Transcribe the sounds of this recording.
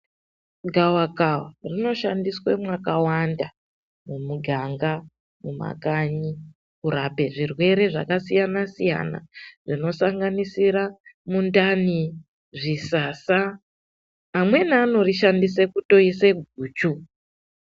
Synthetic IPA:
ɡʱawakawarino̞ʃandiswemwakawanda | mumuɡʱaŋɡa | muma̰kaɲi | kuɾape̞ʐirwe̞ɾe̞ʐa̰kasijanasija̰na̰ʐino̞saŋɡanisiɾamundani | ʐisaːsa | amwe̞naːno̞riʃandisekuto̞ise̞ɡʱuːt͡ʃu

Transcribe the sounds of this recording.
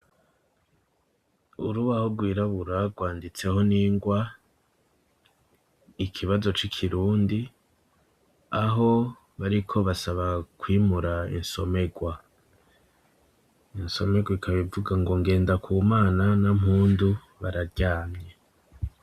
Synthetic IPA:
uɾuβahoɡwiːɾaβuɾaɡwaːndit͡se̞ho̞niːŋɡwa | ikʰiβazo̞t͡ʃikʰiɾuːndi | aɦo̞ | βaɾikʰo̞βasaβakwiːmuɾaḭnso̞me̞ɡwa | inso̞me̞ɡwaikʰaβivuɡaŋɡo̞ŋɡe̞ːndakʰuːmaːnanamhuːndu | βaɾaɾɟaːmɲe

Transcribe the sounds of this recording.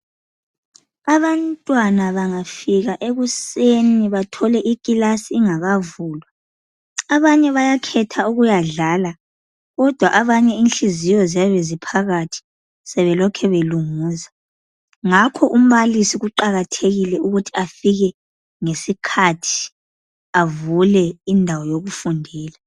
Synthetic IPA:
aβantʼwanaβaŋafiɣaʔeɣuseniβatʰɔlɛʔikʼilasiːŋaɣavuːlwaː | βaɲɛβajakʰɛtʰauɣujaɮala | ɣɔd̥ʱwaʔaβaɲɛinɬizijɔzijaβezipʰaɣatʰi̥ | sɛβɛlɔkʰɛβeluŋuːza | ŋakʰɔʔum̩βalisiɣuǃaɣatʰeɣilɛuɣutʰi̥afiɣɛ | ŋesikʰatʰi̥ | avulɛindʱawɔjoɣufundʱɛːla

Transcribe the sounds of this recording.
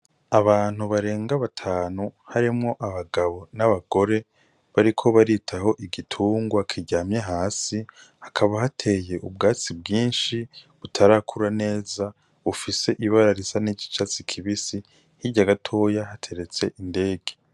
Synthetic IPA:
aβaːn̥huβaɾe̞ːŋɡaβatʰaːnuhaɾimŋo̞ʔaβaɡaβo̞naβaɡo̞ɾe̞ | βaɾikʰo̞βaɾitʰaho̞ʔiɡitʰuːŋɡwakʰiɟaːmɲe̞ɦaːsi | hakʰaβaɦatʰe̞je̞ʔub̚ɡaːt͡sibɡiːnʃiβutʰaɾaːkʰuɾane̞ːza | ufise̞ʔiβaɾaɾisaniɟi̥t͡ʃat͡sikʰiβisi | hiɾɟaɡatʰo̞ːjaɦatʰe̞ɾe̞t͡se̞ʔinde̞ːɡe

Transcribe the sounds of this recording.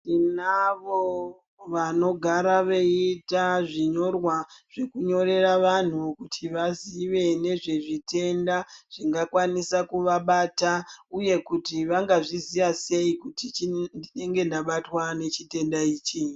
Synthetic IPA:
inaʋo | ʋano̞ɡʱaɾaʋeitaʐiɲo̞rwaʐ̥e̞kuɲo̞re̞raʋan̤ukutʰiʋaziʋe̞ne̞ʐe̞ʐite̞ndaʐ̥iŋɡakwanisakuʋaɓatauje̞kutiʋaŋɡaʐiziʋase̞ikutit͡ʃndine̞ŋɡe̞ndaɓatwane̞t͡ʃite̞ndaiːt͡ʃi

